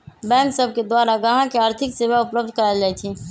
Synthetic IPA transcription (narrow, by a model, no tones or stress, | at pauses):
bɛ̃ːŋksəb̚ʱked̪waːɾaɡəɦãkeaːɾt̪ʰɪksebaʊpləb̚d̪ʱkəɾad͡ʒaːɛt̪ʰi